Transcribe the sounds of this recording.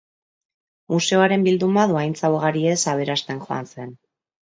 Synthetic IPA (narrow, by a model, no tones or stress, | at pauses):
muse̞o̞aɾe̞mbild̪umbaðuajnt͡sawɣaɾie̞saβ̞e̞ɾast̪e̞ŋxo̞a̰nse̞n